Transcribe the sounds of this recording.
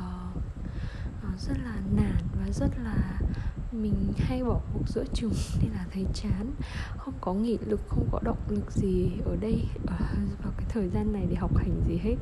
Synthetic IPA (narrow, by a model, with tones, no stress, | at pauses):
ʔzə˦˥t̚laː˨˩naː˧˩nvaː˨˩zə˦˥t̚laː˨˩mï˨˩ŋ̟ha˧jɓɔ˧˩ku˨˩ək̚zə̰˧˥t͡ɕɨ˨˩ŋ͡mne˧nlaː˨˩t̪ʰə˨˦jt͡ɕaː˨˦nxə˧wŋ͡mkɔ˨˦ŋḭ˧˨lɨ˨˩k̚xə˧wŋ͡mkɔ˨˦ɗə˨˩wk͡p̚lɨ˨˩k̚zi˨˩ʔəː˧˩ɗə˧jʔəː˧˨˩vaː˨˩kaː˨˦jt̪ʰəː˨˩jzaː˧nːa˨˩jɗe˧˩ɦa˨˩wk͡p̚ha˨˩jŋ̟zi˨˩ɦe˦˥t̚